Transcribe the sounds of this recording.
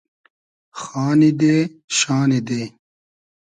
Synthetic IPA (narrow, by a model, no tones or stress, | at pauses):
xaːnid̪eːɕaːnid̪eː